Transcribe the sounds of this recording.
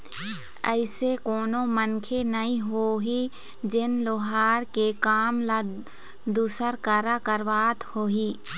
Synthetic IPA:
ə̰ɪsekoːnõmənkʰenəɦĩɦoːɦi | d͡ʒɪnloːɦaːɾkekaːmla | d̪uːsəɾkəɾakəɾʋaːt̪hoːɦiː

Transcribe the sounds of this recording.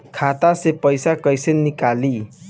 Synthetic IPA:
kʰat̪asepʌjsakʌjsenikali

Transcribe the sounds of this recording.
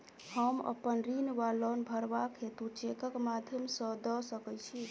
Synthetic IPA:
həmə̰pənɾinʋalənbʱəɾbakʰɦet̪ut͡ʃekəkmad̪ʱjəmsə̃d̪əsəkəjt͡ʃʰi

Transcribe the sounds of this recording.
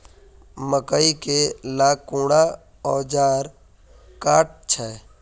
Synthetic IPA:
məkəikelaːkũːɽa | ɔːd͡ʒaːɾ | kaːʈ̚t͡ʃʰɛː

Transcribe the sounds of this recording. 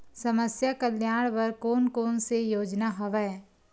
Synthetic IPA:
sɐməsjakəljaːɽ̃ʋɐɾkoːnkoːnsejoːd͡ʒnaɦoʋɛ

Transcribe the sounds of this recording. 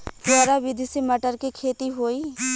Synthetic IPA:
pʊəɾaʋɪd̪ʱiseməʈəɾkekʰeːt̪iɦoːiː

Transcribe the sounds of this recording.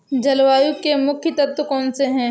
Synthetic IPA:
d͡ʒɐlwaːjukemʊkʰjət̪ɐt̪ːkɔːnseɦɛ̃ː

